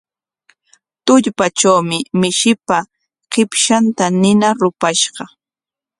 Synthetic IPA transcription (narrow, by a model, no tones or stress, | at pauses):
t̪ʊʎpat͡ʃawmɪmɪʃɪpa | qɪpʃant̪anɪnaɾʊpaʃɢɑ